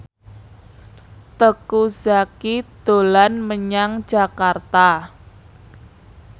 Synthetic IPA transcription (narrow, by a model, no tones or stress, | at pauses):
t̪əkuzakid̪̥olanməɲaŋd͡ʒa̤kart̪a